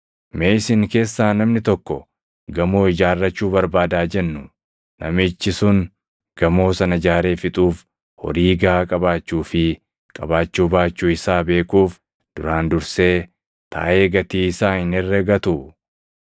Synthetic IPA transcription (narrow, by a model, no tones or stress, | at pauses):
meːɪsɪŋke̞ːsːaːnɐmnɪt̪ɔkːɔ | ɡɐmo̞ːɪd͡ʒaːrːɐt͡ʃːuːbɐɾbaːd̪aːd͡ʒɛnːʊ | nɐ̰mɪt͡ʃːɪsʊn | ɡ̥ɐmo̞ːsɐnɐd͡ʒaːɾe̞ːfɪt̪ʼuːf | hɔ̰ɾiːɡɐaːkʼɐbaːt͡ʃːuːfɪ | kʼɐbaːt͡ʃːuːbaːt͡ʃːuːɪsaːbe̞ːkuːf | d̪̥ʊɾaːnd̪ʊɾse̞ː | t̪ʰa̰ːʔe̞ːɡɐt̪iːsaːhɪnɛrːɛɡɐt̪ʊ